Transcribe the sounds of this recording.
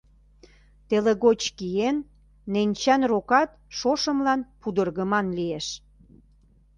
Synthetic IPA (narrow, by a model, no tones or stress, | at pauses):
t̪eleɣot͡ɕkijenː | enʲt͡ɕɑnrokɑt̪̚ʃoʃəmlɑnpud̪ərɣəmɑnlieʃ